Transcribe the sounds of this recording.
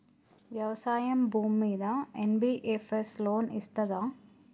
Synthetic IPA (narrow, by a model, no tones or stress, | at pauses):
ʋjɐʋɐsaːjɐmbʱuːmːiːd̪ɐenbiʔefesloːnist̪ɐd̪a